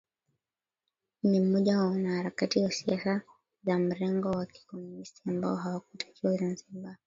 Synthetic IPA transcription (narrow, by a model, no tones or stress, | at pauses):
nim̩mɔʄawaɔnahaɾakatijasiasa | zam̩ɾɛŋɡɔwaki̥kɔminisiambaɔɦawakutʰḁt͡ʃuzan̩zimba